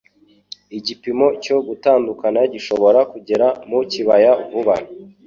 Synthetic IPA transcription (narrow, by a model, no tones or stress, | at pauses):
iɟipimo̞co̞ɡutaːndukanaɟiʃo̞βo̞ɾakuɟe̞ɾamuciβajavuβan